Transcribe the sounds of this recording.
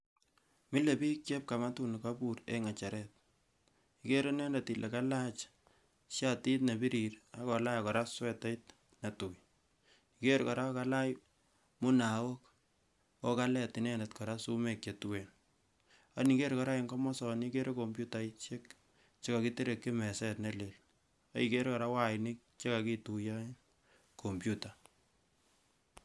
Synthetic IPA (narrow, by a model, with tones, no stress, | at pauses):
mi˦le˨bi˦kt͡ʃe˦p̚ka˨ma˦tu˦ni˨ka˦bu˨ɾḛ˨ŋa˨t͡ʃa˨ɾɛ˦t̚ | i˨ke˦ɾe˦nɛ˦ndeti˨lʔe˨ka˦la˦t͡ʃ | ʃja˦ti˦tne˨bi˦ɾi˨ɾa˦kɔ˨la˦jkɔ˨ɾa˦swɛ˦te˦t | na˨tu˨j | ike˦ɾkɔ˨ɾa˦ka˦la˦j | mʊ˦na˨wo˦k̚ | o˦ka˦lɛ˨ti˨nɛ˦nɛtkɔ˨ɾa˦su˦me˨k̚t͡ʃe˨twen | a˨ni˨ke˦ɾkɔ˨ɾa˦iŋɡɔ˦mɔ˦sɔ˨ni˦ke˦ɾʔe˦ko˨mbju˦ta˨it͡ʃe˦k̚ | t͡ʃe˦ka˨ki˦te˦ɾe˨kːe˦mɛ˨sɛ˦tne˦le˨l | a˦ike˦ɾe˦kɔ˨ɾa˦wa˦ni˦k̚t͡ʃe˦ka˨ki˦tu˨ja | kʰo˨mpjuta˨